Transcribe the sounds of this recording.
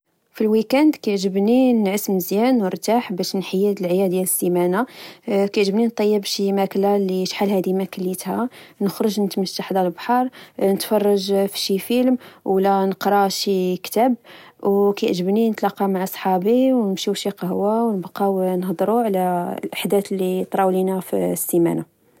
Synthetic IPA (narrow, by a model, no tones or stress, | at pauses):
filwikænd̪kæʕʒəbninʕəsməzjænwəɾˤt̪aħbæʃnħajːəd̪əlʕjæd̪jæləsːimænakæʕʒəbnint̪ˤːɑjːəbʃimæklaliʃħalhæd̪imækəlːit̪hænəxɾəʒnət̪məʃt̪ːaħd̪ɑləlbħɑɾˤnət̪fɑrˤːɑʒfʃifilmwlænəqɾˤɑʃikt̪æbwkæjʔʒəbninət̪lɑqːɑmaʕasˤħɑbiwnəmʃiʃiqəhwawnəbqɑwnhd̪ˤɾuʕlælʔaħd̪æt̪lːit̪ˤɾˤɑwlinæfisːimæ̰na